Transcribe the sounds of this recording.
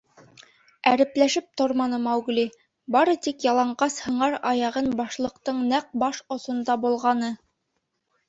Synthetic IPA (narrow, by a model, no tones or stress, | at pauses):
æɾɘ̆plæʃɘp̚t̪oɾmɑnɤmɑwɡli | bɑɾɤt̪ikjɑlˠɑɴɢɑshɤ̆ɴɑɾɑjɑʁɤnbɑʃlˠɤ̆qt̪ɤɴnæq̚bɑʃŏsŏnd̪ɑbulˠʁɑnɤ